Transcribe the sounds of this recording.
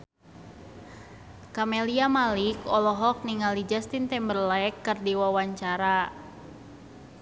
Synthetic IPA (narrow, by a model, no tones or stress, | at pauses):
kamɛliamalikɔlɔɦɔk̚niŋalid͡ʒast̪int̪ɛmbərlaɛkːərdiwawaɲt͡ʃaɾa